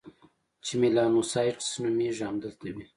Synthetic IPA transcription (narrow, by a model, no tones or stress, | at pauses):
t͡ʃimilɑːnusɑʈsnumiʒɑmd̪əlt̪awi